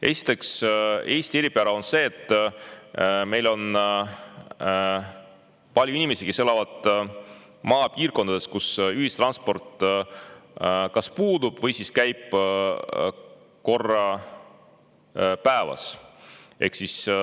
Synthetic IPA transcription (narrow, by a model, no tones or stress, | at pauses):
ʔe̞̰si̥t̪ːˑe̞kse̞ːst̪ieɾipeæɾɑo̞nse̞ːt̪ːˑ | me̞jlo̞n | pɑlʲjuinʲimesike̞se̞lɑvɑd̪̥ | mɑːpiːrko̞nd̪ɑd̪e̞skusyhist̪rɑnspo̞rt̪ˑ | kɑspuːd̪̥ub̥vɤjsiskæjb̥ | ko̞rːɑ | pæevɑ̰s | e̞̰hksis